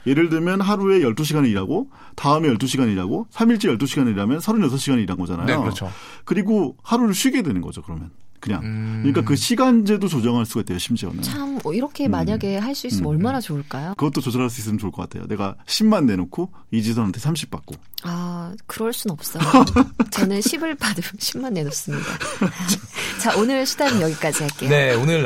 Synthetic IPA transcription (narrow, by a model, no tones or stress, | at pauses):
je̞ɾɯɭdɯmjʌnɦaɾue̞jʌɭt͈uɕʰiɡaniiɾaɡo | taɯme̞jʌɭt͈uɕʰiɡaɲiɾaɡosʰamiɭt͡ɕ͈ejʌɭt͈uɕʰiɡaniiɾamjʌnsʰaɾuɲʌsʰʌɕʰiɡaɲiiɾanŋɡʌd͡ʑa̰na̰joot͡ɕʰo | kɯɾiɡohaɾuɾɯɭɕʰɥiɡe̞dwenɯnɡʌd͡ʑokɯɾʌmjʌn | kɯɲa̰ŋkɯɲik͈akɯɕʰiɡand͡ʑedot͡ɕod͡ʑʌŋɦaɭs͈uɡait͈ejoɕʰimd͡ʑiʌ̰ma̰t͡ɕʰamiɾʌkʰe̞maɲaɡe̞ɦaɭs͈uissɯmʌɭmanat͡ɕoːɭk͈ajokɯɡʌt͈ot͡ɕod͡ʑʌɾɦaɭs͈uis͈ɯmɯnt͡ɕoɭk͈ʌk͈a̰tʰe̞jo̰ne̞ɡa̰ɕʰimːanːe̞nokʰo | id͡ʑis̬ʰʌnɦantʰesʰamɕʰi̥p͈̚a̰k̚k͈o | akɯɾʌɭs͈unʌp̚s͈ʌt͡ɕʌnɯnɕʰibɯɭpadoɕʰimːanːe̞nos͈ɯmɲida̰ | t͡ɕaʔonɯɭɕʰidaɾɯnjʌɡik͈ad͡ʑiɦaɭk͈ejoeonɯɾ